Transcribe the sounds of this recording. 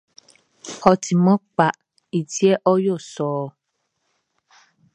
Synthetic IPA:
ɔ˨tʰi˨mɔ˦k͡pa˨ʔ | i˨ti˦ɛ˦ʔɔ˦jo˦˨sɔː˨˦

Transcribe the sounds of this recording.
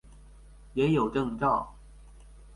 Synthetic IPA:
jɛ˧˥jo˨˩ʊʈ͡ʂɤ˥˧ŋʈ͡ʂɑ˥˩ʊ

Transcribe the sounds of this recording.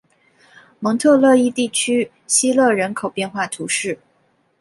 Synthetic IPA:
mɤ˧˥ŋt̪ʰɤ˥˧lɤ˥˧i˥˧t̪i˥˩t͡ɕʰy˥ | ɕi˥lɤ˥˩ɻə˧˥nkʰo˨˩ʊpjɛ˥˧nxwa˥˩t̪ʰu˧˥ʂɻ̩˥˩

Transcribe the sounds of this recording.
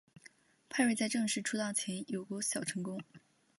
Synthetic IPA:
pʰa˥˧ɪwe˥˧ɪt͡sa˥˧ɪʈ͡ʂɤ˥˧ŋʂɻ̩˥˩ʈ͡ʂʰu˥t̪ɑ˥˩ʊt͡ɕʰjɛ˧˥njo˨˩ʊkwɔ˧˥ɕjɑ˨˩ʊʈ͡ʂʰɤ˧˥ŋkʊ˥ŋ

